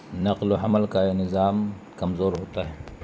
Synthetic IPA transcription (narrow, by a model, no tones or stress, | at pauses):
nɐqloɦɐməlkaenɪzaːm | kɐmzoːɾɦoːt̪aɦɛː